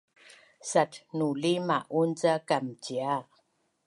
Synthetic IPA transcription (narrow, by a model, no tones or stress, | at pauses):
sat̚nulimaʔunt͡sakamt͡ʃia